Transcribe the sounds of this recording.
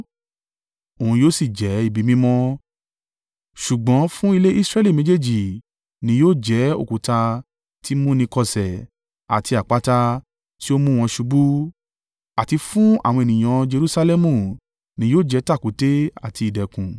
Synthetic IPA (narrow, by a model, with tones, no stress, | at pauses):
o˨ũ˧joː˦si˦˨d͡ʒɛ˨˦i˦˨bi˨˦mĩ˦mɔ̃˦ | ʃu˨ɡ͡bɔ̃˨˦fũ˦i˧le˦i˦sɾɛ˦li˦˨mẽ˨˦d͡ʒe˦˨d͡ʒi˨ | nĩ˨˦joː˦˨d͡ʒɛ˨˦o̰˦˨ku˨ta˧ | ti˦mũ˦nĩ˧kɔ˧sɛ˨ | a̰˨tʰi˧a˨k͡pa˦ta˧ | ti˦o˦mũ˦w̃ɔ̃˧ʃu˧bu˦ | a˨ti˧fũ˦a̰˦˨w̃ɔ̃˧e˨nĩ˨j̃ã˨˧d͡ʒe˧ɾu˦sa˧lɛ˦mũ˦˨ | nĩ˨˦joː˦˨d͡ʒɛ˨˦ta˦˨ku˨˦te˦a̰˨tʰi˧i˨dɛ˨kũ˨